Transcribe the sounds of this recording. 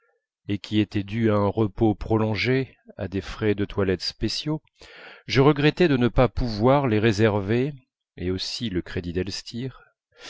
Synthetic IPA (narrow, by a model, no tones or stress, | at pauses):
ekʲiet̪ɛd̪yaɛ̃ʁəpopχɔlɔ̃ʒe | a̰d̪efχɛd̪ət̪walɛt̪spesjo | ʒəʁəɡʁɛt̪ɛd̪ənəpapuvwaʁleʁezɛʁve | eosiləkχed̪id̪ɛlst̪ʰiʁ